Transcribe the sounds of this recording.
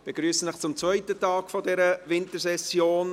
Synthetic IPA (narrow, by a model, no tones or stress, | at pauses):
b̥eɡɾyːsəlɪχt͡sʊmt͡svœʏtətɑːɡ̥fɔdɛɾəʋɪntəɾsɛsjoːn